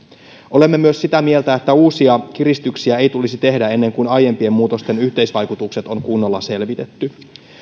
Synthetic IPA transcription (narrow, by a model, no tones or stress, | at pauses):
ʔo̞le̞mːe̞myøsːit̪æmie̞lt̪æet̪ːæuːsiɑk̟iɾist̪yksiæe̞jt̪ulisit̪e̞ɦdæe̞nːe̞ŋkunɑje̞mpie̞mmuːt̪o̞st̪e̞nyçt̪e̞jsʋɑjkut̪ukse̞t̪o̞ŋkunːo̞lːɑse̞lʋit̪e̞t̪ːy